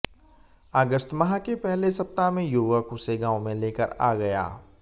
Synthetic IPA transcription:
əɡəst̪mɐɦakepɛɦlesɐp̚t̪amẽjuːʋəkʊseɡãːõmẽleːkə̰ɾa̰ːɡɐja̰ː

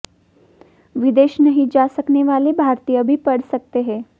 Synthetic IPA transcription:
ʋid̪eːʃnəɦid͡ʒasəkneʋalebʱaɾt̪ijəbʱiːpəɽsək̚t̪eɦɛ̃

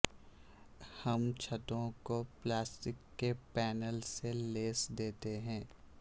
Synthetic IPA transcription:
hɐmt͡ʃʰɐt̪õkoplaːsʈɪkːepɛːnəlseleːsd̪eːt̪eɦɛ̃ː

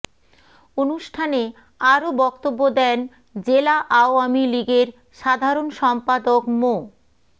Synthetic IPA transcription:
onuʃʈʰane | aɾobɔkt̪obːod̪ɛn | d͡ʑelaʔaoamiliɡeɾ | ʃad̪ʱaɾonʃɔmpad̪okmo

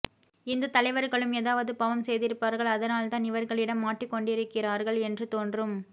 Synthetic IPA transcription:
ɪnd̪ɐt̪ɐlɐɪʋɐɾɣɐɭɯmeːðaːʋɐðɯpɐʋɐmsɛjðɪɾɯpːaɾɣɐɭɐðɐnaːlt̪ãːnɪʋɐɾɣɐɭɪɽɐmːaːʈrɪkːɔɳɖɪɾɯkːɪraːɾɣɐɭɛndrɯt̪oːndrɯm

